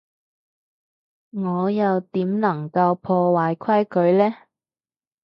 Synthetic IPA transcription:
ŋɔː˨˧jɐ˨wt̪iː˨˥mnɐ˨˩ŋkɐ˧wpʰɔː˧waː˨jkʰɐ˥jkʰɵ˨˧ɥlɛː˥

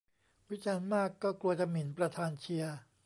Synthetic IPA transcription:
wi˦˥t͡ɕaː˧nmaː˥˩kːɔː˥˩klu˧ɐt͡ɕa˧mi˩˦npɾa˧t̪ʰaː˧nt͡ɕʰi˧ɐ

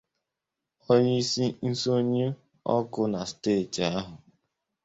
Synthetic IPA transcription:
o˦ɲe˦i˦si˦n̩˦so˦ɲe˦ | ɔ˦kʊ˦na˨steː˦˨ta˦ɦʊ˨

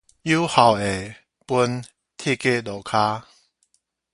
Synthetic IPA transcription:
ju˦ha˨˩we˨˩ | pu˧˦n | t̪ʰi˥˧˨ke˥˧˨do˨˩kʰa˦

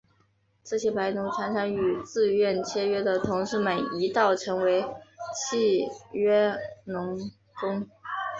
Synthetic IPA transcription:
t͡s̩˥˩ɕjɛ˥˩pa˧˥ɪnu˧˥ʈ͡ʂʰwa˧˥nʈ͡ʂʰɤ˧˥ŋy˨˩t͡sɹ̩˥˧ɥɛ˥˩nt͡ɕʰjɛ˥ɥɛ˥d̪ə˨t̪ʰʊ˧˥ŋʂɻ̩˥˩mə˨˩ni˧˥t̪ɑ˥˩ʊʈ͡ʂʰɤ˧˥ŋwe˧˥ɪt͡ɕʰi˥˧ɥɛ˥nʊ˧˥ŋ | kʊ˥ŋ

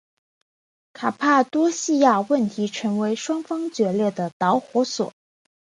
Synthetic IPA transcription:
kʰa˨˩pʰa˥˩t̪wɔ˥ɕi˥˧ja˥˧wə˥˩nt̪ʰi˧˥ʈ͡ʂʰɤ˧˥ŋwe˧˥ɪʂwɑ˥ŋfɑ˥ŋt͡ɕɥɛ˧˥ljɛ˥˩d̪ə˩t̪ɑ˧˥ʊxwɔ˧˥swɔ̰˨˩˦

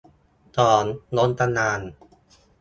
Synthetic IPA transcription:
t̪ɔː˨˩nlo˦˥nt̪a˧naː˧n

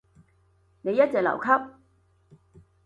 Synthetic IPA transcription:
ne˨˧jɐ˥t̚t͡sɛː˨k̚lɐ̰˨˩wkʰɐ˥p̚

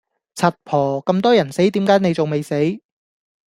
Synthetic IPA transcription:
t͡sʰɐ˨t̚pʰɔː˨˩kɐ˧mt̪ɔː˥jɐ˨˩nse˨˥jt̪iː˨˥mkaː˨˥jne˨˧jt͡so˨wme˨jse˨˥j

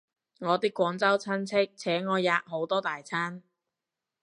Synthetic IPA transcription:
ŋɔː˨˧t̪iː˥kːʷɔː˨˧ŋt͡sɐ˥wt͡sʰɐ˥nt͡sʰɪ˥k̚t͡sʰɛː˨˥ŋɔː˨˧jaː˧ʔ̚ɦo˨˥wt̪ɔː˥t̪aː˨jt͡sʰaː˥n

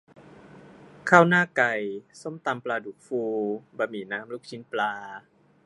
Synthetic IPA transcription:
kʰaː˥˩wnaː˥˩ka˧˩jso˥˩mt̪a˧mplaː˧duː˨˩k̚fuː˧ba˧miː˨˩naː˦˥mluː˥˩k̚t͡ɕʰi˦˥nplaː˧

